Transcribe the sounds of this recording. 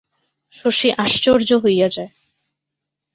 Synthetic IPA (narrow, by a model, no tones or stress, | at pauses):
ʃoʃiʔaʃt͡ɕoɾd͡ʑoɦojad͡ʑae